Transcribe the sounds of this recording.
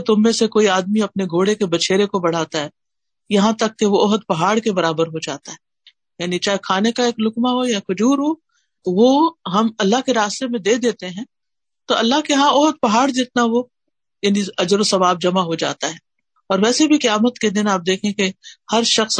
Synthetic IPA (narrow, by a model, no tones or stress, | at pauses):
t̪ʊmːẽsekoːiaːd̪miɐpneɡʱoːɽekebɐt͡ʃʰeːɾekobɐɽ̤aːt̪aɦɛː | jɐɦãt̪ɐkːeʋoɔːɦəd̪̚pɐɦaːɽkebɐɾaːbəɾɦod͡ʒa̰ːt̪aɦɛː | jaːnit͡ʃaːɦekʰaːnekaeːklʊkmaɦojakʊd͡ʒuːɾɦo | ʋoɦɐmɐlːaɦkeɾaːst̪emẽd̪eːd̪eːt̪eɦɛ̃ː | t̪oɐlːaɦkeɦãɔːɦəd̪̚pɐɦaːɽd͡ʒɪt̪naʋo | jaːniɐd͡ʒɾosɐbaːb̚d͡ʒɐmaɦod͡ʒa̰ːt̪aɦɛː | ɔːɾʋɛːsebʱikɐjaːmət̪ked̪ɪnaːp̚d̪eːkʰẽkehɐɾʃɐxs